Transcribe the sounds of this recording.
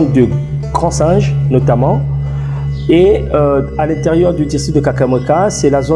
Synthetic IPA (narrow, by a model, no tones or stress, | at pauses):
d̪ə | ɡ̥ʁɑ̃sɛ̃ʒnɔt̪amɑ̃ | eøalɛ̃t̪ɛʁjœʁd̪yd̪ist̪χid̪əkakamɔkasɛlazo